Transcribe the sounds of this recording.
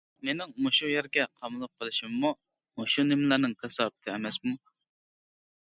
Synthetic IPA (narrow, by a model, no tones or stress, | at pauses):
menɪŋmoʃujɛɾɡʲɛqʰɑmulˠəq̚qʰːəlˠɨʃimːu | moʃunɪmlæɾnɨŋkesɑːbɨt̪ʰɪɛmɛsmu